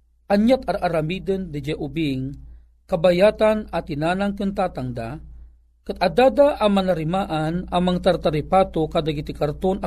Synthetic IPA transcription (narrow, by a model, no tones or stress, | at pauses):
ʔɐɲjat̪ɐɾʔaɾamiːd̪ənd̪ɪd͡ʒɛʔʊbiŋ | kɐbajaːt̪anɐt̪ɪnaːnaŋkɨnt̪aːt̪aŋd̪a | kɨt̪ʔɐd̪aːd̪aʔɐmanɐɾɪmaʔanɐŋmaŋat̪aɾt̪aɾɪpat̪okaːd̪aɡɪt̪ɪkɐɾt̪ona